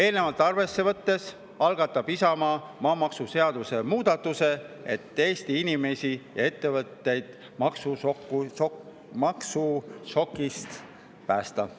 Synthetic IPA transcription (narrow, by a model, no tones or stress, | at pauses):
e̞ːlne̞vɑlt̪ːˑɑrve̞sːe̞vɤt̪ːe̞s | ɑlɡ̥ɑt̪ːˑɑb̥isɑmɑmɑːmɑksuse̞ɑd̪̥use̞muːd̪̥ɑt̪ːuse̞ | et̪ːˑe̞ːst̪iinime̞sʲijɑ̰e̞t̪ːe̞vɤt̪ːe̞jd̪̥ | mɑksuokːu | mɑksuʃo̞kːˑist̪ | pæːst̪ɑ